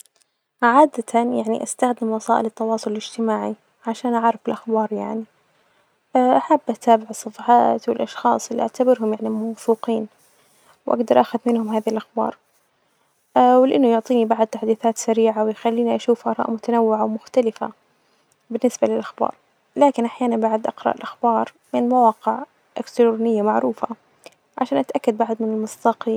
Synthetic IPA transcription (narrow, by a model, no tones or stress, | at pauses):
ʕaːd̪at̪ʰajaʕnḭʔast̪axd̪ɪmwɑsˤɑ̰ːʔɪlɪt̪ːɑwɑːsˤʊlɪlɪd͡ʒt̪ɪmaːʕi | ʕaʃaːnʔaʕɾˤɑfɪlʔaxbɑːɾˤja̰ʕni | ʔaħabːʔat̪aːbɪʕɨsˤːɑfɑħɑ̰ːt̪wɪlʔɑʃxɑ̰ːsˤɪlːiʔaʕt̪abɪɾɦʊmjaʕnimawfuːqiːn | wʔa̰ɡd̪ɑɾˤʔaxʊðmɪnhʊmɦaːðhilʔaxbɑ̰ːɾˤ | wɪlɪʔanːʊjʊʕt̪ˤiːnibaʕd̪̚t̪aħd̪iːθaːt̪saɾiːʕawɪjxalːiːniʔaʃuːfʔɑɾˤɑ̰ːʔmʊt̪anawːɪʕawmʊxt̪alɪfa̰ | bɪnːɪsbalɪlʔaxbɑ̰ːɾˤ | laːkɪnʔaħjaːnanbaʕd̪ʔɪqɾˤɑ̰ʔɪlʔaxbɑːɾˤ | mɪnmawɑːqɪʕ | ʔɪkt̪ɪɾunɪjːamaʕɾuːfa̰ | ʕa̰ʃaːnʔat̪ʔakːad̪̚baʕd̪mɪnɪlmʊsˤt̪ɑqi